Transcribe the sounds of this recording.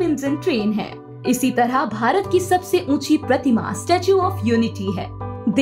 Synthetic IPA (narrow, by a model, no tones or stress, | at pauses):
pɪ̃nzə̃nʈɾeːnɦɛ̰ː | ɪsit̪ɐɾəɦbʱaːɾət̪̚kisɐbseʔũːt͡ʃʰipɾɐt̪ɪma̰sʈeːt͡ʃjuɔːfjuːnɪʈiɦɛ̰ːd̪